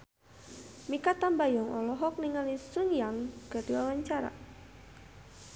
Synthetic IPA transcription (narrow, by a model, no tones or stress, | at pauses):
mikat̪ambajɔŋʔɔlɔɦɔk̚niŋalisuŋjaŋkərdiwawaɲt͡ʃaɾa̰